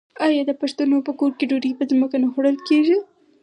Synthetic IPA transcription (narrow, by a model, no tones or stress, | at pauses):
ajɑd̪əpaʂt̪unopəkoɾkeɖoɾipəzməkanaxoɽəlkeʒi